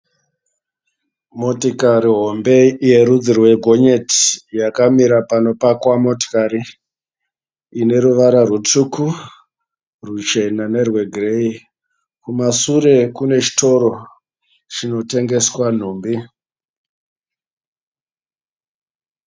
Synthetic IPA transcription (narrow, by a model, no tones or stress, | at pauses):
mo̞tikaɾiɦo̞mbe̞ije̞ɾud͡zirwe̞ɡʱo̞ɲeti̥jakamiɾapano̞pakwamo̞to̥kaɾi | ine̞ɾuʋaɾarut͡sukʰu | rut͡ʃe̞nane̞rwe̞ɡʱrei | kumasuɾe̞kune̞t͡ʃi̥to̞ɾo̞ | t͡ʃino̞te̞ŋɡe̞swan̤uːmbi